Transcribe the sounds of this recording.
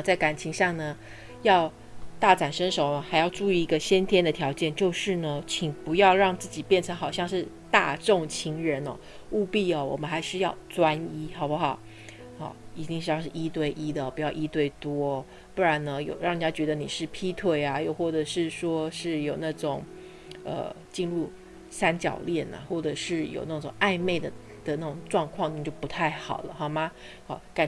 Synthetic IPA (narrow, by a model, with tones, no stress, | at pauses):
t͡sa˥˩ɪka˨˩nt͡ɕʰi˧˥ŋʂɑ˥˩ŋnə˩ | jɑ˥˧ʊ | t̪a˥˩ʈ͡ʂa˨˩nʂə˥ŋʂo˨˩ʊə˦xa˧˥ɪjɑ˥˧ʊʈ͡ʂu˥˧i˥˩i˧˥ɡə˧ɕjɛ˥nt̪ʰjɛ˥nd̪ə˨t̪ʰjɑ˧˥ʊt͡ɕjɛ˥˧nt͡ɕjo˥˧ʊʂɻ̩˥˩nə˩t͡ɕʰi˨˩ŋpu˧˥jɑ˥˧ʊɻɑ˥˧ŋt͡sɹ̩˥˩t͡ɕi˨˩pjɛ˥˩nʈ͡ʂʰə˧˥ŋxɑ˨˩ʊɕjɑ˥˧ŋʂɻ̩˥˧ | t̪a̰˥˧ʈ͡ʂo˥˧ŋt͡ɕʰi˧˥ŋɻə˧˥nɔ˥˧ | u˥˧pi˥˩ɐ˩wɔ˨˩mə˦nxa˧˥ɪʂɻ̩˥˧jɑ˥˩ʊt͡swa˥ni˥xɑ˨˩ʊba˥xɑ˨˩˦ʊ | ə̰˥˩i˨˧˩t̪i˥˧ŋʂɻ̩˥˧jɑ˥˧ʊʂɻ̩˥˩i˥t̪we˥˩ɪʔi˥d̪ə˨ɔ˨˩pu˧˥jɑ˥˩ʊʔi˥t̪we˥˩ɪt̪wɔ˥ | pu˥˩ɻa˧˥nnə˧jo˨˩ʊɻɑ˥˩ŋni˨˩t͡ɕa˥t͡ɕɥɛ˧˥d̪ə˧ni˨˩ʂɻ̩˥˩pʰi˥t̪ʰwe˥˩ɪa˩jo˥˧ʊxwɔ˥˩ʈ͡ʂɤ˨˩ʂɻ̩˥˩ʂwɔ˥ʂɻ̩˥˩jo˨˩ʊna˥˩ʈ͡ʂʊ˨˩˦ŋ | ə̰˧t͡ɕi˥˧nlu˥˩ | sa˥nt͡ɕjɑ̰˨˩ʊljɛ˥˩nə̰˩xwɔ˥˩ʈ͡ʂɤ˨˩ʂɻ̩˥˩jo̰˨˩ʊna˥˩ʈ͡ʂʊ̰˨˩ŋʔa˥˧ɪme˥˩ɪd̪ə˩ | d̪̥ə˨na˥˩ʈ͡ʂʊ˨˩ŋʈ͡ʂwɑ˥˧ŋkʰwɑ˥˧ŋni˨˩t͡ɕjo˥˩ʊpu˧˥t̪ʰa˥˩ɪxɑ˨˩ʊlə̰˦xɑ˨˩ma˥ | ɔ˧ka˨˩